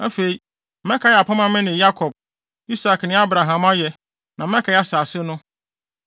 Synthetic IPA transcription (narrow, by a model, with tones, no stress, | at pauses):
a˦fe˨i˨ | m̩˦mɛ̃˦kʰa˨ja˨pʰa˦mã˦mɪ̃˦nɪ̃˨ja˦kʰɔ˨b̚ | i˦sa˨knɪ̃˦a˦bɾa˨ɦã˨ma˦jɛ˨ | nʔã˨m˦ɛ̃˦kʰa˨˦ɛ˦a˨saː˨sɪ˦nʊ̃˦